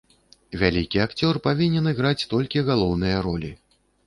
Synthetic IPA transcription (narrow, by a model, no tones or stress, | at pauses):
vʲalʲikʲiakt͡sʲɔrpavʲinʲɛnɨɣɾat͡sʲt̪ɔlʲkʲiɣalˠɔwnɨjɐɾɔlʲi